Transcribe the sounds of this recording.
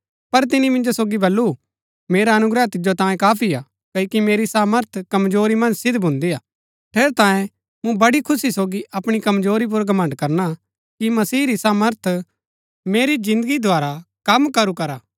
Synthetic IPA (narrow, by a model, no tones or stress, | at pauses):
pɐɾt̪̬ɪnimɪ̃nd͡ʒosoːɡibɐlːu | meːɾaɐnʊɡɾɛt̪ɪd͡ʒot̪ãːjẽkaːpʰiaː | kɐkimeːɾisaːməɾt̪ʰkɐmzoːɾimɐ̃nd͡ʒsɪd̪ʱbʱʊ̃nd̪iaː | ʈʰeːɾt̪ãːjẽ | mũbɐɽikʰʊsisoːɡiʔɐpɽ̃ikɐmzoːɾip̬ʊɾɡɐmə̃ɳɖkɐɾna | kimɐsiːɾisaːməɾt̪ʰ | meːɾid͡ʒɪ̃nd̪əɡid̪ʱaːɾakɐmkɐɾukɐɾaː